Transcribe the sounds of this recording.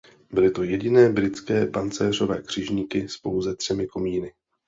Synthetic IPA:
bɪlɪt̪o̞jɛɟɪnɛːbɾɪt͡skɛːpant͡sɛːr̝o̞vɛːkr̝̥ɪʒɲiːkɪspo̞wzɛt̪r̝̥ɛmɪko̞miːnɪ

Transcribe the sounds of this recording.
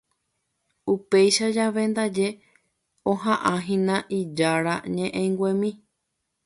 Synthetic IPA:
upe̞jʃad͡ʒaʋe̞nd̪ad͡ʒe̞ | õɦãʔãɦĩnãʔid͡ʒaɾaɲẽʔẽŋɡʷẽmĩ

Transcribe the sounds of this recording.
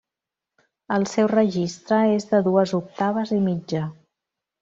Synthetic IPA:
əlˠsɛwrəʒist̪ɾəezðəðuəzuk̚t̪aβ̞əzimid͡ʒə

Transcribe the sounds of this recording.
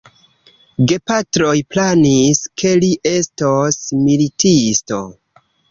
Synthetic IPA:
ɡe̞patɾo̞jplaniskʰe̞liʔe̞stosmilitisto̞̰

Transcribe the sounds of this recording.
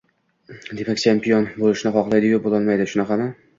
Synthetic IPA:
d̪e̞makʲt͡ʃʰempijonbolˠɪʃnɪχɒqlˠajd̪ɪɡʊbolˠɒlˠmajd̪ɪʃʊnaqɑmɪ

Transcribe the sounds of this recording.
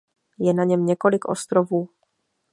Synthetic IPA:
jɛnaɲɛmɲɛko̞lɪkʔo̞̰st̪ɾovuː

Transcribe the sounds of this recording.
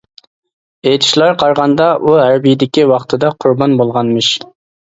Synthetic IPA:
ejt̪ʰɪ̥ʃlˠɑɾqʰɑɾʁɑnd̪ɑʔuɦæɾbijd̪ɪkʲiwɑχt̪ʰɨd̪ɑqʰʊɾbɑnbolˠʁɑnmɨʃ

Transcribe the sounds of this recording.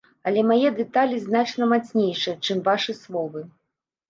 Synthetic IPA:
ɐlʲɛmajɛd̪ɛt̪alʲiznat͡ʂnɐmat̪sʲnʲejʂɨjɐt͡ʂɨmvaʂɨslˠɔvɨ

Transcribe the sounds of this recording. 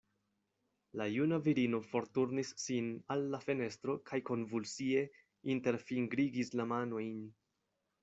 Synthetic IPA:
lajunaviɾino̞fo̞ɾtuɾnisːinalːafe̞ne̞stɾo̞kʰajko̞nvulsie̞ | inte̞ɾfiŋɡɾiɡislamano̞jn

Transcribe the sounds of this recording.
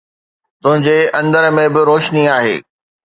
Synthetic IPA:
t̪ʊ̃ɦɪ̃ɲd͡ʑeɐ̃nd̪əɾmẽbɪɾoːʃniaːɦḛː

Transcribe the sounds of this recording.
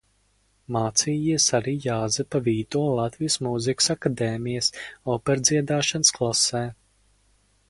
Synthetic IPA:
maːt̪siːjiɛsaɾiːjaːzɛpaviːt̪uɔlˠat̪vijəsmuziksakad̪eːmijəsɔpɛɾd̪ziɛd̪aːʃansklˠasɛː

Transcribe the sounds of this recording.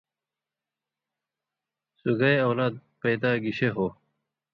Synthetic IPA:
suɡajɐwlaːd̪̚pejd̪aːɡiɕeɦo

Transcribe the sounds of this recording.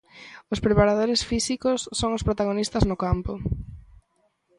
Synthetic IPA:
ʊspɾepaɾað̞oɾesfisikʊsːoŋʊspɾot̪aɣ̞onist̪aznʊkampʊ

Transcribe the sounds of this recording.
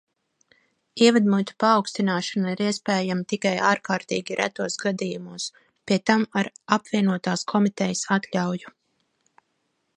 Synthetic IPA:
iɛvad̪mut̪u̥paːwkst̪inaːʃanaiɾiɛspɛːjamat̪ikajaːɾkaːɾt̪ḭːɡʲiɾʔæ̰t̪uɔsɡad̪iːjumuɔs | pʲiɛt̪amaɾapviɛnuɔt̪aːskʰɔmit̪ɛjəsat̪ʎʲawju

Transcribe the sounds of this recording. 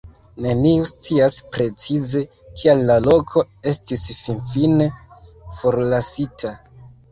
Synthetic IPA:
ne̞niust͡siaspɾe̞t͡size̞ | kʰialːalo̞kʰo̞e̞stisfinfinefo̞ɾlasitʰa

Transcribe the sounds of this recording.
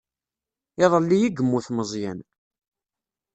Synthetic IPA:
ɪðˤəlːijiɡəmːuθməzˤjæn

